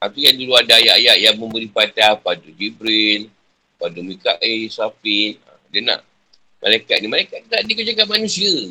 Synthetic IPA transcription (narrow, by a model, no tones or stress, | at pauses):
ʔat̪ijaduluadaajaʔajaʔjamə̃mbəɾipat̪apadud͡ʒibɾil | padomika̰ʔʔesapina̰ | dəna̰ʔ | ma̰lajkat̪̚nimalajkat̪̚naʔdikət͡ʃakaʔ̚manũsiə